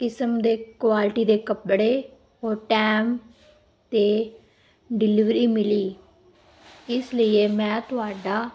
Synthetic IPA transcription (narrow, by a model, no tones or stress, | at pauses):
kɪsəmd̪eːkʋaːlʈiːd̪eːkəpɽeː | oːʈɛːm | t̪eː | ɖɪlɪʋɾiːmɪliː | ɪsləieːmɛ̃ːt̪ʊaːɖaː